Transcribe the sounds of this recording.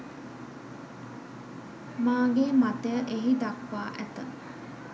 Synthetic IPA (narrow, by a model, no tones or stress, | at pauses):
maːŋɡemat̪ejəʔeɦid̪ɐkʋaːʔæt̪ə